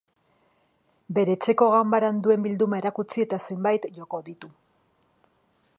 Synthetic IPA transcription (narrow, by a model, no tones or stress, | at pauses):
be̞ɾe̞t͡se̞ko̞ɣambaɾand̪ue̞mbild̪umae̞ɾakut͡sie̞t̪ase̞mbajt̪ʝo̞ko̞ðit̪u